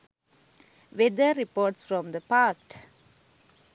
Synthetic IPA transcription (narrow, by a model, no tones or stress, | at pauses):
ʋed̪əɾipoːʈsfɾɔ̃md̪əpaːsʈ